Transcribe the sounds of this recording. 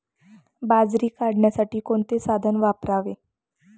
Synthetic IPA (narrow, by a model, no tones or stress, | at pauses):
bad͡zɾiːkaɽɳjasaʈiːkoɳt̪esad̪ʱənʋapɾaʋe